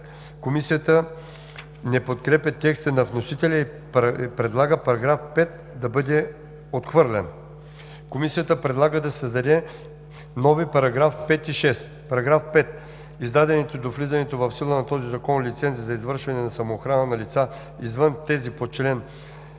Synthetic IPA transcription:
komisijət̪ə | nɛpot̪kɾɛpʲɐt̪ɛkst̪ənɐvnosit̪ɛlʲɛi | ppɾɛd̪lˠaɡəpɐɾɐɡɾafpɛt̪̚ | d̪ɐbɤd̪ɛ | ot̪xvɤɾlʲɛn | komisijət̪əpɾɛd̪lˠaɡəd̪ɐsəzd̪ɐd̪ɛ | nɔvipɐɾɐɡɾafpɛt̪iʃɛs | pɐɾɐɡɾafpɛt̪ | izd̪ad̪ɛnɛt̪od̪oflizɐnɛt̪ovɐfsilˠənɐt̪ɔzizɐkɔnlit̪sɛnt̪sizɐizvəɾʃvɐnɛnɐsɐmoːxɾanənɐlit̪sa | izvənt̪ɛzipot͡ʃɛlɛn

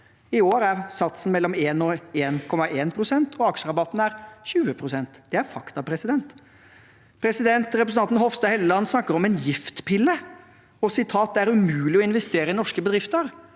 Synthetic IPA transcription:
ɪoːɾæɾsɑt̪sn̩mɛlːɔmeːnɔeːnkʰɔmɑʔeːnpʰɾʊsɛnt̪ʰɔɑkʂəɾɑbɑt̪ːn̩æɾçʉːəpʰɾʊsɛnt̪d̪ɛæɾfɑkt̪ɑpɾɛsɪd̪ɛnt̪ | pʰɾɛsɪd̪ɛnt̪ɾɛpɾsəɑnn̩hɔfst̪ɑhɛləlɑnːsnɑkːəɾɔmɛnjɪft̪pʰɪlːə | ɔsɪt̪ʰɑːt̪̚d̪ɛæɾʉmʉːlɪɔɪnʋɛst̪eːɾəɪnɔʂkəbəd̪ɾɪft̪əɾ

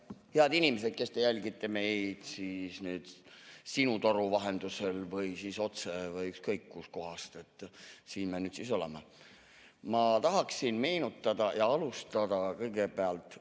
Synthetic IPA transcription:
heɑd̪inimese̞d̪̥̚ke̞st̪e̞jælʲɡit̪ːˑe̞me̞jd̪̥sisneːd̪̥sinut̪o̞ɾuvɑɦe̞nd̪̥use̞lvɤjsiːso̞t̪se̞vɯjykskɤjkːusko̞ɦɑst̪e̞t̪ːˑsiːnmenyːd̪̥siso̞leme | mɑt̪ɑɦɑksinme̞ːnut̪ˑːɑd̪̥ɑjɑɑlust̪ɑd̪ɑkɤjɡ̥e̞beɑlt̪ːˑ

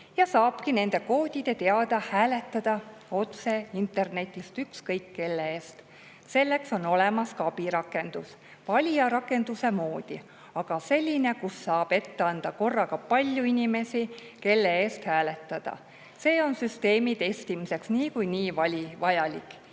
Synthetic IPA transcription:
jɑsɑːb̥kine̞nd̪̥e̞ko̞ːd̪̥ʲid̪̥e̞t̪e̞ɑd̪̥ɑhæːle̞t̪ːˑɑd̪̥ɑo̞t̪se̞int̪e̞rne̞t̪ʲːˑist̪ykskɤjkːe̞lːeeːst̪ | se̞lːe̞kso̞no̞le̞mɑskɑbiɾɑkːˑe̞nd̪̥us | vɑlʲiɑɾɑkːˑe̞nd̪̥use̞mo̞ːd̪̥i | ɑɡ̥ɑse̞lʲːine̞kusːɑːb̥e̞t̪ːe̞ɑnd̪̥ɑko̞rːɑɡ̥ɑpɑlʲjuinʲime̞si | ke̞lːe̞eːst̪hæːle̞t̪ːˑɑd̪̥ɑ̰ | se̞ːo̞nsyst̪e̞ːmit̪e̞st̪imise̞ksniːkujniːvɑlʲivɑjɑlikˑː

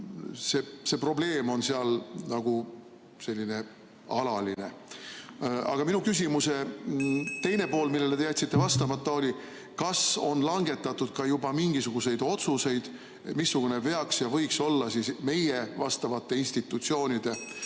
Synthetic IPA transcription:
se̞se̞pro̞ble̞ːmo̞nseɑlnɑɡ̥u | se̞lʲːine̞ | ɑlɑline̞ | ɑ̰ɡ̥ɑminukys̬ʲimuse̞ | t̪e̞jne̞po̞ːlmilːeleeæt̪sit̪ˑːe̞vɑst̪ɑmɑt̪ːˑɑo̞lʲi | kɑso̞̰nlɑŋɡ̥e̞t̪ːˑɑt̪ːˑud̪̥kɑjubɑmiŋɡ̥isuɡ̥use̞jd̪̥o̞t̪suse̞jd̪̥ | misːuɡ̥une̞ve̞ɑksjɑvɤ̞jkso̞lːɑsisme̞jevɑst̪ɑvɑt̪ːe̞inst̪it̪ːˑut̪sio̞ːnʲid̪̥e̞

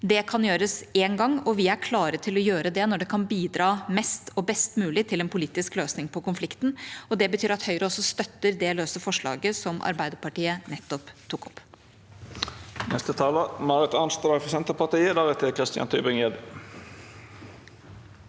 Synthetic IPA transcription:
d̪ɛkʰɑnjøːɾəseːnɡɑŋːɔʋɪæɾkʰlɑːɾət̪ʰɪlɔjøːɾəd̪ɛnɔɖɛkʰɑnbiːd̪ɾɑːmɛst̪ɔbɛst̪mʉːlɪt̪ʰɪlɛnpʰʊliːt̪ɪskløːsnɪŋpʰɔkʊnflɪkt̪n̩ɔd̪ɛbət̪ʰyːɾɑt̪hœʏɾəɔsːɔst̪œt̪ːəɾd̪ɛløːsəfɔʂɭɑ̰ːɡəsɔmʔɑ̰ɾbæɪd̪əɾpɑʈiːənɛt̪ːɔpt̪ʰːuːkɔpː | nɛst̪ət̪ʰɑːləmɑʁɪt̪ɑnst̪əɾɑfɔsɛnt̪əpɑt̪iːəd̪æʁɛt̪ʰɪkʰʁɪst̪ɪjɑ̰nt̪ʰybʁɪŋed̪

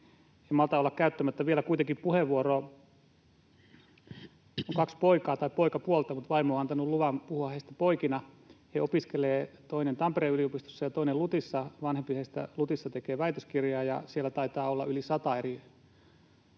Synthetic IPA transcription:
eimɑlt̪ɑolːɑkkæyt̪ːæmæt̪ːæʋielækuit̪eŋkippuheʋʋuoro | oŋkɑkspoikɑːt̪ɑipoikɑpuolt̪ɑmut̪ʋɑimooːɑnt̪ɑnulluʋɑmpuhuɑheist̪æ̥poikinɑ | heopiskeleːt̪oinent̪ɑmpereyliopist̪o̥sːɑjɑt̪oinelut̪isːɑʋɑnhempiheist̪æ̰lut̪isːɑt̪ekeːʋæit̪øskirjɑːjɑ̰sielːæt̪ɑit̪ɑːolːɑʔylisɑt̪ɑeri

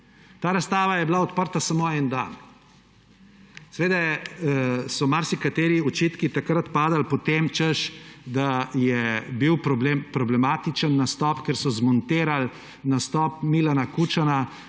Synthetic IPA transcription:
t̪aːɾast̪aːʋajɛblaɔt̪pəɾt̪asamoɛnd̪a̰n | sɛʋeːd̪a | sɔmaɾsikat̪eːɾiɔt͡ʃiːt̪kit̪akɾat̪paːd̪alpɔt̪emt͡ʃəʃd̪ajɛbiwpɾɔblmpɾɔblɛmaːt̪it͡ʃənːast̪ɔpkɛɾsɔzmɔnt̪eːɾal | nast̪ɔp̚milanakut͡ʃana

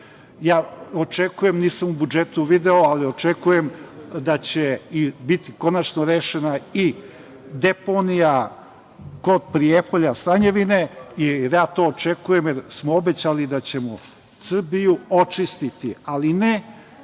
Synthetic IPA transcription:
jaːot͡ʃe̞kuje̞mniːsamubud͡ʒet̪uʋid̪eoalio̞t͡ʃe̞kuje̞md̪at͡ɕeibit̪iko̞nat͡ʃnoɾeːʃenai | d̪e̞ponija | ko̞d̪̚pɾijepoʎasɾaɲeʋine̞iɾjaːt̪o̞ːt͡ʃe̞kuje̞mjeɾsmoobe̞t͡ɕalid̪at͡ɕe̞mo | sr̩bijuo̞t͡ʃist̪it̪ialine

